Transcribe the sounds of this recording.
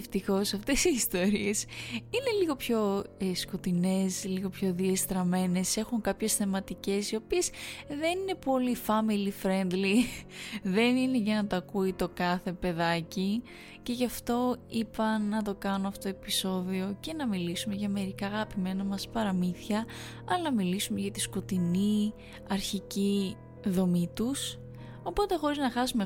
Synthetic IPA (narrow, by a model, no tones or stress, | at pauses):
ft̪ixo̞sɐft̪esiːst̪o̞ɾiesine̞liɣo̞pço̞sko̞t̪ine̞sliɣo̞pço̞ðiest̪ɾɐme̞ne̞se̞xuŋkɐpçe̞sθe̞mɐt̪ice̞sio̞piesðe̞nine̞po̞lifɐmilifɾe̞nd̪li | ðe̞nine̞ʝɐnɐt̪ɐkuit̪o̞kɐθe̞pe̞ðɐci | ce̞ʝɐft̪o̞ipɐːɐt̪o̞kɐnoɐfot̪oepiso̞ðio̞ce̞nɐmilisume̞ʝɐme̞ɾikɐːɣɐpime̞nɐmɐspɐɾɐmiθɐ | ɐlɐnɐmilisume̞ʝɐt̪isko̞t̪ini | ɐɾçici | ðo̞mit̪us | o̞po̞t̪e̞xo̞ɾiznɐxɐsume